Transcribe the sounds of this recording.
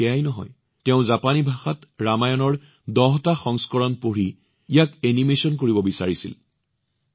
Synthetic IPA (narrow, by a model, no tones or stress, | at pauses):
ɛajnɔɦɔ̰j | tɛʊ̃zapanibʱaxatɹamajɔnɔɹ | dɔɦtaxɔŋskɔɹɔnpoɹi | ijakenimesɔnkoɹibɔbisaɹisḭl